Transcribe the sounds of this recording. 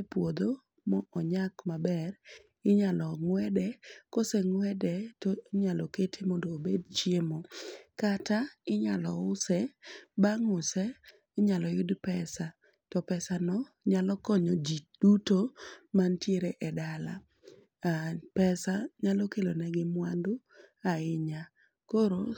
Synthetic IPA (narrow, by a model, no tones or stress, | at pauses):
pwod̪o | mɔɔɲakmabɛr | ɪɲalɔŋwɛdɛkoseŋwɛdɛtɔɲalɔketʰemɔndoːbedt͡ʃjemɔkataɪɲalɔʊsɛbaŋʊsɛ | ɪɲalɔjʊdpɛsa | tɔpɛsanɔ | ɲalɔkɔɲɔd͡ʒid̥utomantjeɾeʔɛdala̰ | apɛsaɲalɔkelonɛɡɪmwandʊ | aɪɲa | koɾo